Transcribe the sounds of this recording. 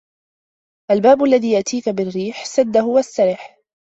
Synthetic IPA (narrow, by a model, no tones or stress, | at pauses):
ʔalbaːbʊʔlːaðiːjaʔt̪ʰiːkabɪrːiːħsad̪ːaɦʊwast̪aɾɪħ